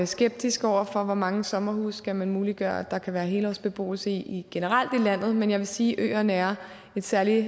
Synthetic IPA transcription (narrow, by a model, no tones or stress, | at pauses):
sɡ̥eb̥̚d̥isɡ̥ɒʊ̰ɐfɒ̽ʋɒmɑ̈ŋəsɒ̽mɐhṵːskæmænmuːliɡ̥ɶːɐæd̥ɑ̈kʰæʋæːɐɦe̝ːlɒ̰sb̥e̝b̥o̝̰ːl̩səiiɡ̥e̝nəʁɑl̰d̥ilæn̰ð̞̩ˠmenjɑʋe̝siːʔø̰ːɐnæɐ | e̝d̥sæɐli